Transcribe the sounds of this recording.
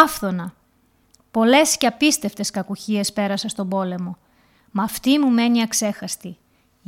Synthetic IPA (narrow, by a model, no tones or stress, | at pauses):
ɐfθo̞nɐ | po̞le̞sceɐpist̪e̞ft̪e̞skɐkuçie̞spe̞ɾɐsɐst̪o̞bo̞le̞mo̞ | mɐft̪imume̞niɐkse̞xɐst̪i